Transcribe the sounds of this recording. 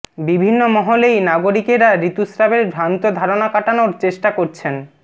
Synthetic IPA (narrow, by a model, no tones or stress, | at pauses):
bibʱinːomɔɦolejnaɡoɾikeɾaɾit̪usɾabeɾbʱɾant̪od̪ʱaɾonakaʈanoɾt͡ɕeʃʈakoɾt͡ɕʰen